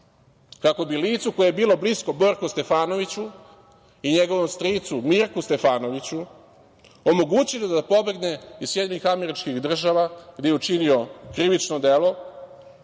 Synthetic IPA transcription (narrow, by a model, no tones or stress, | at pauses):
kako̞biliːt̪suko̞jebiːlˠo̞blisko̞bo̞ɾkost̪e̞faːno̞ʋit͡ɕu | iɲe̞ɡo̞ʋo̞mst̪ɾit̪sumiɾkust̪efaːno̞ʋit͡ɕu | o̞mo̞ɡut͡ɕilod̪ad̪apo̞be̞ɡne̞izsjed̪iɲixame̞ɾit͡ʃkixd̪r̩ʒaʋaɡd̪e̞jeut͡ʂinio̞kɾiʋit͡ʃnod̪e̞lo̞